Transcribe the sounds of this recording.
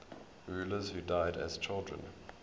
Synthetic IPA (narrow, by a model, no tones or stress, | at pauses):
ɹʉːləz̥huːdaɪdæ̰z̥t͡ʃʰɪlˠdɹə̰̃n